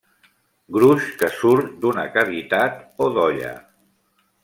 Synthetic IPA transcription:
ɡɾuʃkəsuɾt̪d̪unəkaβit̪at̪oðɔʎə̰

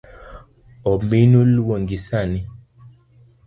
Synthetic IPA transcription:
ɔmbinulwoŋɡisani

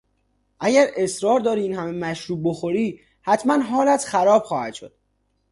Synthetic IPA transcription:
ʔæɟæɾe̞sɾɒːɾd̪ɒːɾiiːnhæme̞mæʃɾuːb̚boxo̞ɾiː | hæt̪ʰmænɦɒːlæt̪xæɾɒːb̥xɒːhæ̰d̪̥ʃo̞̰d̪̥

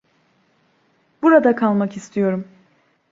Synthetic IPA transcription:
buɾad̪akʰalˠmakist̪ʰijo̞ɾum

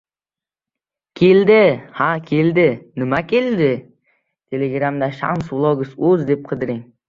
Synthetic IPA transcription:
kʲʰe̞ld̪ɪhakʲʰeld̪ɪnɪmakʲʰe̞ld̪ɪ | t̪ʰe̞leɡɾamd̪aʃa̰nswlˠoɡʊsɵzd̪e̞p̚qʰɨd̪ɪɾɪŋ

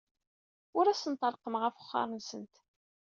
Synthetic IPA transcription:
ʊɾæsənt̪ˤɑlˤqəmʁəfʊ̥χːɑ̰ɾˤənsənt̪

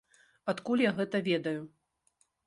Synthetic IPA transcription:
at̪kulʲjaɣɛt̪ɐvʲɛd̪ɐju

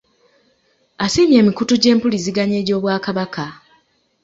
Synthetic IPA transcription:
asiːmje̞ːmikutuɟe̞ːmpuliziɡaɲeːɟo̞ːβwaːkaβakʰa

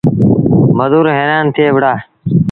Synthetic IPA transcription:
məd̪uːɾɦẽːnãːnt̪ʰɪeːʋɽaː

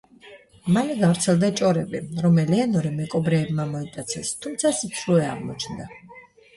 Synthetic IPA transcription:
manɛɡavɾt̪sʰɛlˠd̪at͡ʃʼɔɾɛbiɾɔmɛlianɔɾɛmɛkʼɔbɾɛːbmamɔit̪ʼat̪sʰɛst̪ʰumt̪sʰasit̪sʰɾuɛa̰ʁmɔ̰t͡ʃʰnd̪a

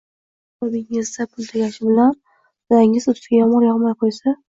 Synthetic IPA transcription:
ʊd̪ɪŋɪzd̪apʰʊlˠt̪ʰaɡʲaʃɪbɪlan | zaɪŋɪzʊt̪fʲajɒmɒɾjɒʁmajqʰojsa

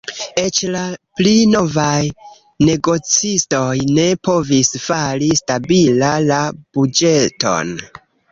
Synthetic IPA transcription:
e̞t͡ʃlaplino̞vaj | ne̞ɡo̞t͡sisto̞jne̞po̞visfaɾistabilalab̥ud͡ʒe̞to̞̰n

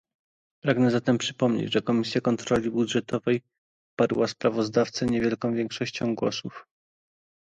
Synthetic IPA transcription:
pɾaɡnɛzat̪ɛmpʂɘ̥pɔmɲḛd͡ʑʐɛkɔmʲisʲjakɔnt̪ɾɔlʲibud̪ʐɛt̪ɔvɛj | paɾwaspɾavɔzd̪aft̪sɛɲevʲjɛlkɔ̃w̃vʲjɛŋkʂɔɕt͡ɕɔ̃w̃ɡwɔ̰suf

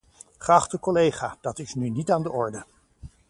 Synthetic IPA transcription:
χəɑχtəkɔlejχaːd̥ɑtɪsnynitaːndəʔɔɹdə

